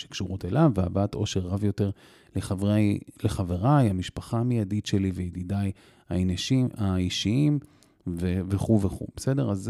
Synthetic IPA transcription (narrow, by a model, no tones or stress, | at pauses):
ʃe̥kʃuʁutelavea̰baato̞ʃe̞ʁːavjo̞te̞ʁ | leχavaleχaveʁajamiʃpaχamijaditʃe̞liveid̪idaj | aineʃiaiʃiim | veveχuveχṵbesede̞ʁaz